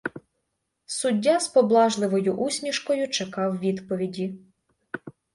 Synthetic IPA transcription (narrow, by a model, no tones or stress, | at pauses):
sʊdʲːazpɔblˠɑʒlˠɪʋɔjʊʔusʲnʲiʃkɔjʊt͡ʃekɑwʋʲid̪pɔʋʲidʲi